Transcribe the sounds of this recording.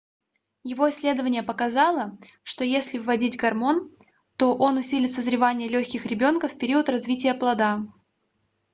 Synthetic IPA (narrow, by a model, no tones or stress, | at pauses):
jɪvo̞ɪsʲlʲe̞d̪əvənʲɪjəpəkɐzɑlˠə | ʂt̪o̞jesʲlʲɪvvːɐdʲitʲɡɐrmo̞n | t̪o̞ʔo̞nʊsʲilʲɪt̪səzɾʲɪvanʲɪjəlʲɵçʲkʲɪxɾʲɪbʲo̞nkəfpʲɪɾʲiət̪rɐzvʲitʲɪjəplˠɐd̪a